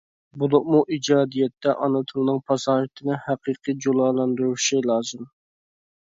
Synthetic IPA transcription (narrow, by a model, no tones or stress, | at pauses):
bulˠʊqmuʔid͡ʒɑːd̪ijɛt̪ʰːɛʔɑnɨt̪ʰɨlˠnɨŋpʰɑsɑnɾɨt̪ʰɪnɪhæqʰiːqʰɨd͡ʒolˠɑːlˠɑnd̪uɾuʃilˠɑːzɨm